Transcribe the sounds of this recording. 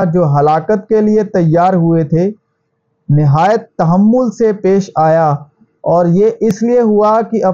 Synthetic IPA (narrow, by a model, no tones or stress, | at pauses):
d͡ʒoːɦɐlaːkət̪keliet̪ɐjːaːɾɦʊet̪ʰe | nɪɦaːjət̪ːɐɦəmːʊlsepeːʃaːja | ɔːɾjeʔɪslieɦʊakiʔɐ